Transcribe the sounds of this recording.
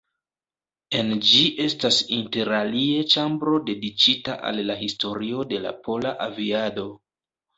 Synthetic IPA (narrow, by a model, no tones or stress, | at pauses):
e̞nd͡ʒiʔe̞stasinte̞ɾalie̞t͡ʃambɾo̞de̞dit͡ʃita̰ʔa̰lːaɦisto̞ɾio̞de̞la̰pʰo̞laʔaviado̞